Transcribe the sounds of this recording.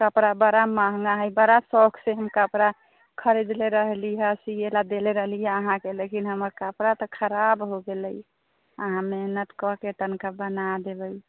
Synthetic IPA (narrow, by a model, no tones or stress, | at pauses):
kəpɾabəɾamãɦŋaɦəjbəɾasɔkseɦəmkəpɾa | kʰəɾed͡ʒleɾəɦliɦɛsielad̪eleɾəɦlijɛəɦãkelekinɦəməɾkəpɾat̪ɔkʰəɾabɦoɡeləj | ə̰ɦãmenət̪kɔket̪ənkabənad̪ebəj